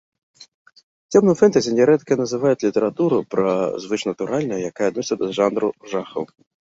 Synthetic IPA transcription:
tʲɛmnʊmfɛnt̪ɐzʲɪnʲɛɾɛt̪kɐnɐzɪʋajʊtʲlʲit̪eɾɐt̪uɾʊpɾɐzvɪt͡ʃnɐt̪ʊɾalʲnɐjjɐkajɐd̪nɔsʲɐd̪ɐʐanɾʊʐaxɐ̰w

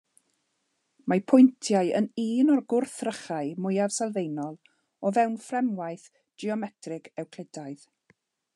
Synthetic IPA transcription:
mapʰʊjntʰjaɨə̰niːnɔrɡʊrθrəχaɨmʊjav̥sɛlˠvejnɔlˠ | ɔvɛwnfrɛmwajθ | d̥iɔmɛtʰrɪɡɛwkʰl̥ˠɛdaɨð

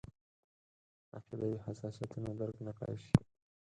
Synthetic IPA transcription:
a̰qid̪awihasɑsijat̪unad̪aɾknaqɑ̰ʃi

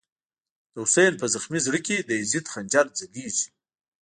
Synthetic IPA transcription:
d̪̥əʊsejnpəzaxmizɽəkid̪əɪzit̪xand͡ʒaɾd͡zaɡizi̥

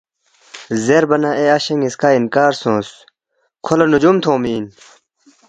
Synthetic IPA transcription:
zeɾbɐnɐ̃eɐɕɐŋiskaːinkaːɾsõːs | kʰolɐnud͡ʑumt̪ʰõːmiːn

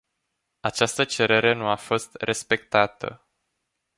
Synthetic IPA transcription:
at͡ʃast̪ət͡ʃe̞ɾe̞ɾe̞nuafo̞st̪re̞spe̞k̚t̪at̪ə̰

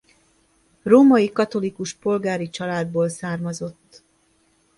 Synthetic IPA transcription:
roːmɒjikɒt̪o̞likuʃpo̞lɡaːɾit͡ʃɒlaːd̪̚boːlsaːrmɒzo̞t̪ː

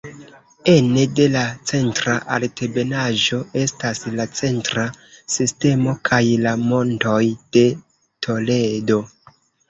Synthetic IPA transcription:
e̞nede̞lat͡se̞ntɾaʔaltʰe̞be̞naʒo̞e̞staslat͡se̞ntɾasiste̞mo̞kʰajlamo̞nto̞jd̥e̞ | tʰo̞le̞do̞

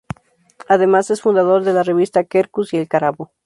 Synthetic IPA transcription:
aðe̞masesfund̪aðo̞ɾðe̞lare̞βist̪akeɾkusielkaɾaβo

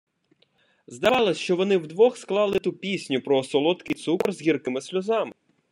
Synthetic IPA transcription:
zd̪ɐʋɑlˠɐsʲʃt͡ʃɔʋɔnɪwd̪ʋɔxsklˠɑlˠɪt̪upʲisʲnʲʊpɾɔːsɔlˠɔt̪kɪjt̪sukrzɦʲirkɪmɪsʲlʲʊzɑmɪ

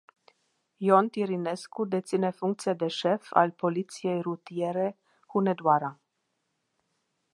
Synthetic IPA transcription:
jont̪iɾineskud̪et̪sinefuŋk̚t̪sijad̪eʃefa̰lpolit̪siejɾut̪ieɾe | xuned̪waɾa

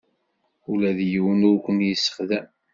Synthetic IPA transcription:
ulæðjəwənʊɾkʷənjəsːə̥χðæm

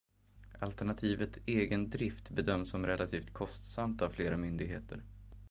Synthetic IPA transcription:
alt̪ɛɳat̪ʰiːvət̪seːɡənd̪ɾɪft̪bɛd̪œmsːɔmɾɛlʔat̪ʰiːft̪kʰɔst̪samt̪avfleːɾamʏnd̪ɪɡɦḛːt̪ʰə̰ɾ

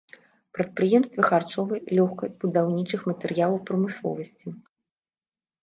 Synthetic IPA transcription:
pɾɐt̪̚pɾɨjɛmst̪vɐxart͡ʂɔvɨlʲɔxkɐb̥ud̪awnʲit͡ʂɨxmɐt̪ɛrjalˠɐwpɾɐmɨslˠɔ̰vɐsʲt͡sʲi

